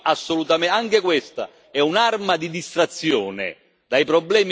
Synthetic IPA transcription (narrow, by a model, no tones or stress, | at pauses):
asːolut̪amɛaŋkekwest̪a̰ | ɛunarmad̪id̪ist̪ɾat̪sːjɔːnɪ̰ | d̪̥ajpɾɔbːlɛːm